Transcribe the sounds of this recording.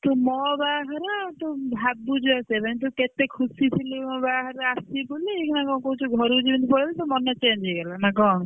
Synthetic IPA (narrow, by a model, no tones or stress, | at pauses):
t̪umɔbaːɦaɾat̪ubʱabud͡ʒuasepaĩnt̪uket̪ekʰusit̪ʰilubaɦaɾeasibuliekʰnakɔŋkoɦũt͡ʃʰuɡʱɔɾud͡ʒibɔnt̪ipɔɾilit̪umɔnɔt͡ʃend͡ʒʱeɡelanakɔŋ